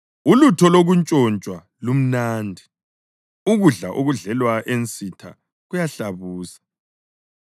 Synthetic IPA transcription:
ulutʰɔloɣunt͡ʃʼɔnt͡ʃʼwa | lum̩naːndʱi | uɣuɮa̰ʔuɣuɮɛlwaʔent͡sʼitʰa̰ | ɣujaɬaβuːsḁ

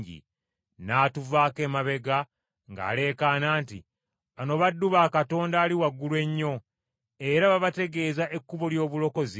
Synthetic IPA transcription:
ɟḭ | naːtuvaːke̞ːmaβe̞ɡa | ŋɡa̰ːle̞ːkanaːntḭ | βano̞βadːuβaːkato̞ːndaːliwaɡːulwe̞ɲːo̞ | e̞ɾaβaβate̞ɡe̞ːzaʔe̞kːuβo̞ljo̞ːβulo̞ko̞zi

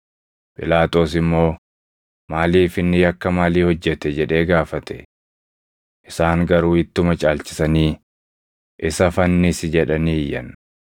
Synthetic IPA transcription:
pʼɪlaːt̪o̞ːsɪmːo̞ː | maːliːfɪnːɪjɐkːɐmaːliːhɔd͡ʒːɛt̪ɛd͡ʒɛᶑe̞ːɡaːfɐt̪ɛ̥ | ʔɪsaːŋɡɐɾuːɪt̪ːʊmɐt͡ʃʼaːlt͡ʃɪ̥sɐniː | ʔɪsɐfɐnːɪsɪd͡ʒɛᶑɐniɪjːɐn

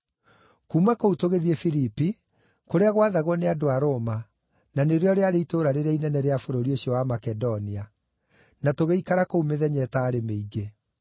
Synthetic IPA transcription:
kuːmakoutoɣeðiɛfiɾipi | koɾeaɣwaðaɣwɔneadoaɾoːma | naneɾeɔɾeaɾeitoːɾaɾeɾainɛnɛɾeafoɾoɾioɕiɔwamakɛdɔnia | natoɣeikaɾakoumeðɛɲɛtaːɾemeiɡe

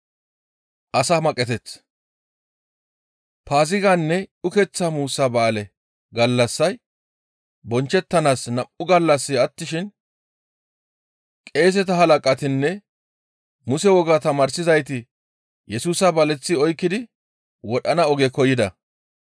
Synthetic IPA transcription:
ʔɐsaːmɐkʼːɛt̪ɛt͡s | paːzɪɡanːɛʊkɛt͡sːamuːsːɐbaːlɛ | ɡɐlːɐsːɐj | bɔnt͡ʃːɛt̪ːɐnaːsnɐʔʊɡɐlːɐsːɪɐt̪ːɪʃɪn | kʼe̞ːs̬ɛt̪ɐɦɐlɐkʼɐt̪ɪnːɛ | mʊsɛwɔɡat̪ɐmaːɾsɪzɐjt̪ɪ | jɛsuːsɐbɐlɛt͡sːɪɔjkːɪd̪ɪ | wɔɗɐnɐɔɡɛkɔjɪd̪ɐ

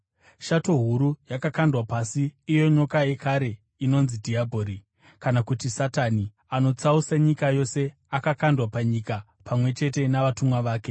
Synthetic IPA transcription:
ʃato̞ɦuɾujakakandwapasiːjo̞ɲo̞kaje̞kaɾe̞ | ino̞nzidʱiabʱo̞ːɾi | kanakutisatani | ano̞t͡sausaɲikajo̞se̞ | akakandwapaɲika | pamwe̞t͡ʃe̞te̞naʋatumwaʋaːke̞

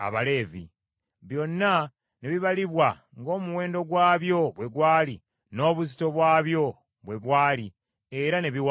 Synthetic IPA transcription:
a̰βale̞ːvḭ | βjo̞nːa | neβiβaliβwa | ŋɡo̞ːmuwe̞ːndo̞ɡwaːβjo̞βwe̞ɡwaːli | no̞ːβuzito̞βwaːβjo̞ | βwe̞βwaːli | eɾaneβiwa

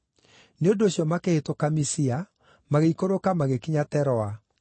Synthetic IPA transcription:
neondoːɕjɔmakehetokamisia | maɣeikoɾokamaɣekiɲatɛɾɔa

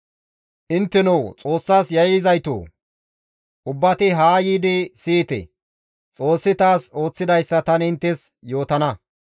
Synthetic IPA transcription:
ʔɪnt̪ːɛnɐwt͡sʼo̞ːsːaːsjɐjzɐjt̪o̰ː | ʔʊbːɐt̪ɪɦaːjiːd̪ɪsiːt̪ɛ̰ | t͡sʼo̞ːsːɪt̪aːso̞ːt͡sːɪd̪ɐjsːɐt̪ɐnɪnt̪ːɛs | jo̞ːt̪ɐnɐ

